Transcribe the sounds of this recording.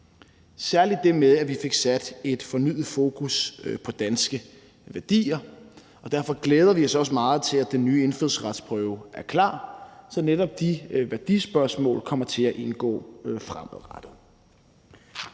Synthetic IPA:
sæɐlid̥ːe̝meðˠæʋife̝ɡ̥sæd̥e̝d̥fɒ̽ny̰ðð̩ˠfo̝ːkʰuspʰɒ̽d̥ænsɡ̥ə | ʋæɐd̥ḭːɐ | ɒ̽d̥æɐfɒ̽ɡ̥leːð̞ˠɐʋiɒ̽sɒ̽s̬əmɑ̈ːð̞̩ˠt͡sʰe̝læd̥enːyːe̝nføð̩ˠsʁɑd̥spʰʁœʊʔæɐkʰlɑ̰̈ːsɒ̽neɾɒ̽b̥̚d̥iʋæɐd̥isb̥ɶɐsmɔ̰ːlkʰɒ̽m̰ɐt͡sʰe̝læʔe̝nɡ̥ɔ̰ːfʁaməð̩ˠʁɑd̥ð̩ˠ

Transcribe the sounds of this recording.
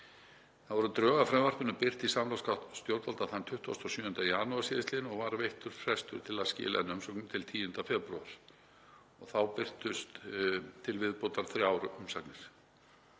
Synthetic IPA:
θaðvɔɾʏt̪ɾœːɣafɾɛmvar̥pʏnʏpɪr̥t̪isamlawskat̪st̪jowɾt̪alt̪aθant̪ʰʏht̪a̰st̪ɔsjʏːʏnt̪ajaːnuaɾ̥sɪːðɪst̪ɪnɔɣvaɾveht̪ʏɾ̥fɾɛst̪ʏɾ̥t̪ʰɪlaðscɪ̰ːla̰ɛnːʏmsœknʏmt̪ʰɪlt̪ʰiːʏnt̪afɛpɾṵaɾ̥ | ɔɣθawpɪr̥t̪ʏst̪t̪ʰːɪlvɪðpowt̪aɾ̥θɾjaːwɾʏʏmsaknɪɾ̥

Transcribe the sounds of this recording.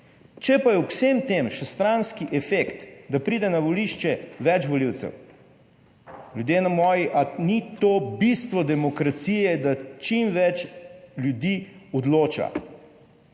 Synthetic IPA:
t͡ʃɛpajɛusemt̪eːmʃɛst̪ɾanskiʔɛfekt̪d̪apɾiːd̪ɛnaʋɔliʃt͡ʃɛʋɛt͡ʃʋɔliwt̪sɛ̰w | ljud̪jeːnamɔːjiʔanit̪oːbist̪ʋɔd̪ɛmɔkɾat̪sijɛd̪at͡ʃimʋɛt͡ʃljud̪iɔd̪loːt͡ʃa̰

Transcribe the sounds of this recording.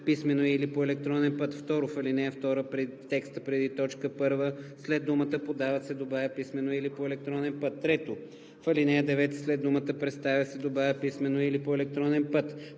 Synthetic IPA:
pismɛnoilipoɛlɛk̚t̪ɾɔnɛnpət̪ft̪ɔɾofɐlinɛəft̪ɔɾəpɾɛt̪ːɛkst̪əpɾɛd̪it̪ɔt͡ʃkəpɤɾvəslɛd̪umət̪əpod̪avɐt̪sɛd̪obaɐpismɛnoilipoɛlɛk̚t̪ɾɔnɛnpɤt̪ːɾɛt̪o | fɐlinɛjəd̪ɛvɛt̪slɛd̪umət̪əpɾɛt̪st̪avʲjɐsɛd̪obajəpismɛnoilipoɛlɛk̚t̪ɾɔnɛnpɤt̪

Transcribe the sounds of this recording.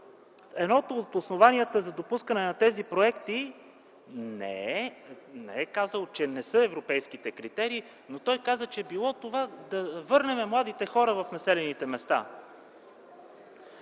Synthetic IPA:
ɛnɔt̪oːt̪osnovaniət̪əzɐd̪opuskənɛnɐt̪ɛzipɾoɛkt̪i | nɛ̰ | nɛ̰ɛkazəlˠt͡ʃɛnɛsɤɛvɾopɛjskit̪ɛkɾit̪ɛɾiː | not̪ɔjkazət͡ʃɛbilˠɔt̪ovad̪ɐvɤɾnɛmɛmlˠad̪it̪ɛxɔɾəvɐfnɐsɛlɛnit̪ɛmɛst̪a̰

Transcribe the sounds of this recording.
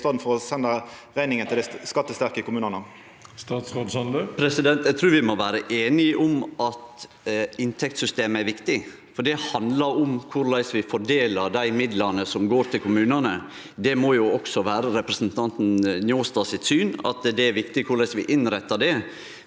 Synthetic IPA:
t̪ɑːd̪n̩fɔɾɔsɛnːəʁæɪnɪŋənʰɪld̪æɪskɑt̪ːəst̪æʁkəkʊmʉːnənə | st̪ɑːt̪sʁoːd̪sɑnd̪əpʰɾɛsɪd̪ɛnt̪jæɪt̪ʰɾʉːɾʋɪmɔʋæːɾəʔeːnɪʔɔmɑt̪ | ɪnt̪ʰɛk̚t̪sʏst̪eːməæɾʋɪkt̪ɪ | fɔɖɛhɑnd̪ləɾɔmkʰʊɾlæɪsʋɪfɔɖeːləɾd̪æɪmɪd̪lɑnəsɔmɡoːɾt̪ʰɪlkʰʊmʉːnənə | d̪ɛmɔjʊɔksɔʋæːɾəɾɛpɾəsnt̪ʰɑnt̪n̩njoːst̪ɑsɪt̪syːnɑ̰t̪d̪ɛæɾʋɪkt̪ɪkʰʊɾɭæɪsʋɪʔɪnɾɛt̪ːɑɖ̪ɛ

